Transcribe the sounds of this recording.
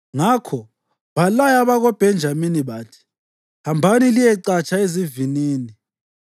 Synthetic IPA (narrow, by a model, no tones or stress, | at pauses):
ŋakʰɔ | βalajaβaɣɔb̥ʱɛnd͡ʒʱaminiβatʰi̥ | hambʱanilijɛǀat͡ʃʰʼaeziviniːni